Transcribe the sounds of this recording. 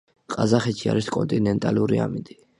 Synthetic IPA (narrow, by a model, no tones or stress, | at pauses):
qʼazaχɛt̪t͡ʃʰiaɾiskʼɔnt̪ʼinɛnt̪ʼaluɾiamind̪i